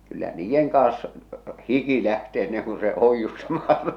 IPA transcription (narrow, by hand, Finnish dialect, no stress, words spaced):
kylːæ niːjːeŋ kɑːs hiki læhte enːeŋ ku se oijːustɑmɑː